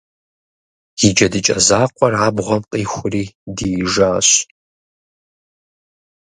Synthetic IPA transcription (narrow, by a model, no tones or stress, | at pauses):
jɪd͡ʒɐdɨt͡ʃʼɐzaːqʷʼɔraːbʁʷɔmqʼiːxʷʊriːdiʒaːɕ